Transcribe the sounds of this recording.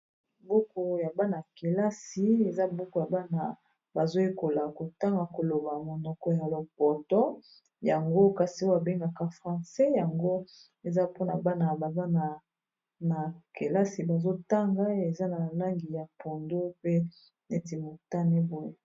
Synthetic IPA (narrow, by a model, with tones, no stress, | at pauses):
bo˦ko˨ja˨ba˦na˨ke˨la˦si˨e˨za˦bo˦ko˨ja˨ba˦na˨ | ba˨zo˦je˦ko˨la˨ko˨ta˦ŋɡa˨ko˨lo˨ba˨mo˨nɔ˨kɔ˦ja˨lo˨pɔ˨tɔ˦ | ja˨ŋɡo˦ka˨si˨˦a˨be˦ŋɡa˨ka˦˨fʁã˨sɛ˦ja˨ŋɡo˦ | e˨za˦po˦na˨ba˦na˨ba˨ba˦na˨ | na˨ke˨la˦si˨ba˨zo˦ta˦ŋɡa˦e˨za˦na˨la˦ŋɡi˨ja˨po˨ndo˦pe˦ | ne˨ti˨mo˨ta˦ne˦bo˦je˦